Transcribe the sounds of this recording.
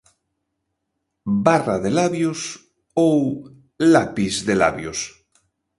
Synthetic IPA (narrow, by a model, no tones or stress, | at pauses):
baraðelaβjos | ow | lapizðela̰βjos